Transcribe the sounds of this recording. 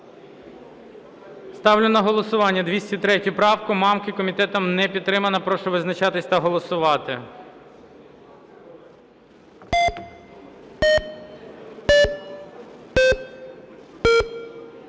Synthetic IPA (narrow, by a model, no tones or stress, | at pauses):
st̪ɑwlʲʊnɐɦɔlˠɔsʊʋɑnʲːɐd̪ʋʲisʲtʲit̪ɾɛtʲʊpɾɑwkʊmɑmkɪkɔmʲit̪ɛt̪ɐmnɛpʲid̪t̪ːɾɪmɐnɐpɾɔʃʊʋɪznɐt͡ʃɑt̪ɪsʲt̪ɐɦɔlˠɔsʊʋɑt̪ɪ̰